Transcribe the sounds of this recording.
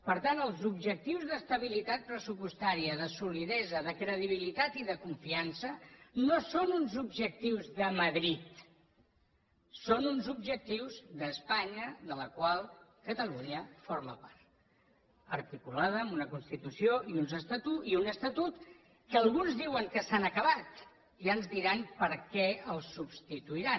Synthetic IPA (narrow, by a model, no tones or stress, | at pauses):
pəɾt̪anəlˠzubʒək̚t̪iwzðəst̪əβ̞ilit̪at̪̚pɾəsupust̪aɾiəðəsuliðɛzəðəkɾəðiβilit̪at̪iðəkuɱfiansənosonunzubʒək̚t̪iwzðəməðɾit̪ | sonunzubʒək̚t̪iwzðəspaɲəðələkwalˠkət̪əluɲəfoɾməpaɾt̪ | əɾt̪ikulað̞əːmunəkunst̪it̪usioʔiunzəst̪ət̪uiunəst̪ət̪ut̪ | kəːlˠɣunzðiwəŋkəsanəkəβat̪ | iənzðiɾanpəɾkɛəlˠsːubst̪it̪uiɾa